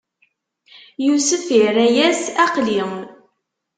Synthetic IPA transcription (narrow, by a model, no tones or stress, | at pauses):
jusəfiɾæjæsæqliwn